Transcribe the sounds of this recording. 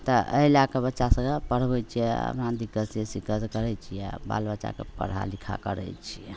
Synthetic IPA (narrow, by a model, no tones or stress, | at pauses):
t̪əəilakebətːʃasəɡapəɽ̤bɛjt͡ʃʰijɛə̰pnãd̪ikəsjɛsikəd͡ʒkəɾɛt͡ʃʰijɛ̰ba̰lbəːt͡ʃa̰kḛpə̰ɽ̤a̰likʰa̰kəɾɛ̰jt͡ʃʰiɛ